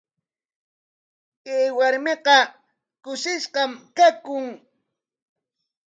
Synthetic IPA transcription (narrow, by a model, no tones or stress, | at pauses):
eːwaɾmeqɑ | kʊʃɪʃqɑmkakʊŋ